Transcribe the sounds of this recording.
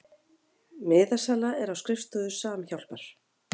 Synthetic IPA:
mɪːðasalaɛɾawskɾɪft̪ʏðʏsaːmçawl̥paɾ̥

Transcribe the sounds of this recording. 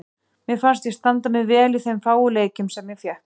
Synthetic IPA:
mɪðfanst̪jɛst̪ant̪amɪðvɛːlɪθejmfaːwʏleːjcʏmsɛmːjɛθjɛh

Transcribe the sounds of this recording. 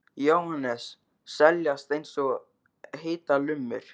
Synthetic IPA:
jowhanːɛsː | ɛljast̪ejnsɔ | ɦeːt̪alʏmːʏ̰ɾ̥

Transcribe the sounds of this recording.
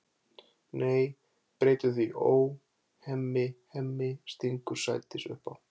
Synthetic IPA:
neːj | pɾeːjt̪ʏθiʔoːw | hɛmːɪhɛmːɪst̪iŋkʏɾsa̰ːjt̪ɪsʏ̰hpaw

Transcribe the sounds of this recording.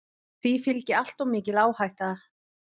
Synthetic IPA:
θvifɪlcɪal̥t̪awmɪːcɪlaːwhajht̪aa

